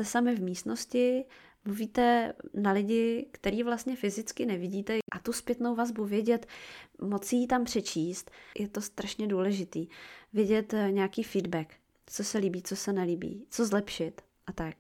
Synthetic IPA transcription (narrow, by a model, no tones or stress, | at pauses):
t̪ɛsamɪvmiːst̪no̞scɪ | mluviːt̪ɛnalɪɟɪkt̪ɛɾiːvlast̪ɲɛfɪzɪt͡skɪnɛvɪɟiːt̪ɛʔat̪uspjɛt̪nowvazbuvjɛɟɛt̪mot͡sijit̪ampr̝̥ɛt͡ʃiːst̪jʔɛt̪o̞st̪ɾaʃɲɛduːlɛʒɪt̪iːvjɛɟɛt̪ɲɛjakiːfiːdbɛk | t͡sosɛliːbiːt͡sosɛnɛliːbḭːt͡sozlɛpʃɪt̪ | ʔat̪ak̚